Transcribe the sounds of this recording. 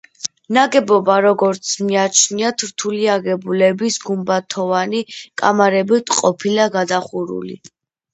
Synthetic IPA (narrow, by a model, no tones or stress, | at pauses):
naɡɛbɔbaɾɔɡɔɾt̪sʰmiat͡ʃʰniat̪ʰɾt̪ʰuliaɡɛbulɛbisɡumbat̪ʰɔvanikʼa̰maɾɛbit̪ʼqʼɔpʰilaɡad̪aχuɾṵlḭ